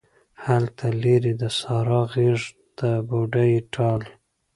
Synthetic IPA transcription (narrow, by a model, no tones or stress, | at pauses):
halt̪ʰaleɾid̪əsɑɾɑɣeʐ | d̪̥əboɖajʈʰɑl